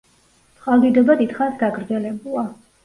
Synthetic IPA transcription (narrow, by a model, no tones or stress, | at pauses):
sʼχʼalˠd̪id̪ɔbad̪it̪χansɡaɡɾd̪zɛlɛbulˠa